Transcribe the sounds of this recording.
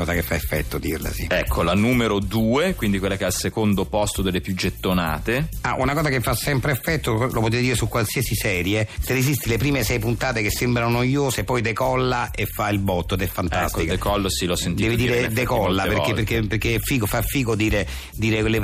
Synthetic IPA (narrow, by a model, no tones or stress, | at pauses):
ɔːzakefːefːɛ̰t̪ːod̪irla̰sḭɛkʰːolanuːmeɾod̪uːekwind̪ikwelːakɛalsekond̪opɔst̪od̪elepjud͡ʒet̪ːona̰ːt̪ea̰ʔunakɔːzakefːasɛmpɾefːɛt̪ːolopot̪et̪ed̪iːɾesukːwalsiasisɛːɾjeserːezist̪ilepɾiːmesɛjpunt̪aːt̪ekesːembɾanonojoːsepːɔjd̪ekɔlːaefːailbɔt̪ːoed̪ɛfːant̪a̰st̪ik̪kɔlːsilɔsːentd̪ɛːvid̪iɾed̪ekɔlːapeɾkeperkeperkeɛfiːkofafːiːkod̪iːɾe | d̪iːɾele